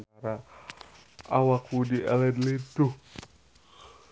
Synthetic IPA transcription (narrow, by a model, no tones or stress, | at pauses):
aɾa | a̰wakudiɛ̰lɛd̪lid̪u